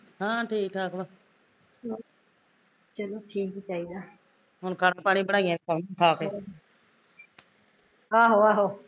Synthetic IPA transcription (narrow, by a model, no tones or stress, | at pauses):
ɦãːʈʰiːkʈʰaːkloː | o | t͡ʃəloːʈʰiːkt͡ʃaːiːd̪aː | ɦʊnkaːɽãːpaːɽ̃ĩːbəɽaːiãːkəmʈʰaːke | aːɦoːaːɦoː